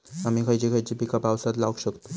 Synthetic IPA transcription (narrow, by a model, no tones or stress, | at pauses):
amikʰəjt͡ɕikʰəjt͡ɕipikapawsad̪lawkɕəkt̪o̥